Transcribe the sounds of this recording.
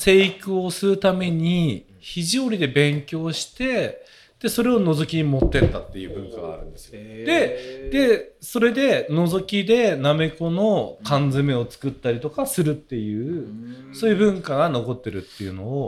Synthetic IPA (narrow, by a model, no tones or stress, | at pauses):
se̞ːikɯ̟o̞sɨɾɯ̟t̪ame̞ɲ̟i | çiʑioɾʲid̪e̞bẽ̞ŋkʲo̞ːɕi̥t̪e̞ | d̪̥e̞so̞ɾe̞o̞no̞zo̞kʲiɲ̟imo̞t̪ːe̞t̪t̪at̪ːe̞jɯ̟ːbɯ̟̃ŋkaɡa̰ːɾɯ̟̃nd̪esɨ̥iod̪e̞d̪e̞so̞ɾe̞d̪e̞no̞zo̞kʲid̪e̞name̞ko̞no̞kãnd͡zɨme̞o̞t͡sɨ̥kɯ̟t̪ːaɾʲit̪o̞kasɨɾɯ̟t̪ːe̞jɯ̟ːso̞ːjɯ̟bɯ̟̃ŋkaɡano̞ko̞t̪ːe̞ɾɯ̟t̪ːe̞jɯ̟no̞ː